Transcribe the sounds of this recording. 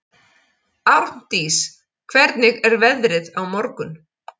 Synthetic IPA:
awn̥t̪iːs | kʰvɛɾt̪nɪɣɛɾvɛðɾɪðawmɔɾkʏn

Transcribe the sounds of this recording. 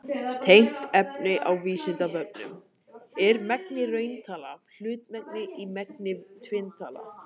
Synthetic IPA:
t̪ʰejn̥t̪ɛpnɪʔawviːsɪnt̪apœp̚nʏ̰m | ɛɾmɛk̚nɪrœːɥnt̪ʰaːlafl̥ʏːt̪mɛk̚nɪimɛknɪt̪ʰvɪnt̪ʰaːla̰

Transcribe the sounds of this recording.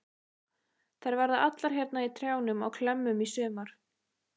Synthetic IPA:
θaɾvaɾðaʔat̪laɾ̥çjɛɾt̪nait̪ʰɾjaːwnʏmaɣkʰlɛmːʏmisʏːmaɾ̥

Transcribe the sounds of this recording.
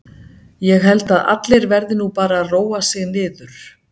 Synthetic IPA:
jɛɣɦɛlt̪aða̰t̪lejɾvɛɾðɪnupaːɾaːðroːwasɪɣnɪːðʏɾ̥

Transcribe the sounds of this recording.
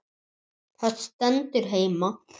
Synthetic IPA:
θat̪st̪ɛnt̪ʏɾ̥ɦeːjma

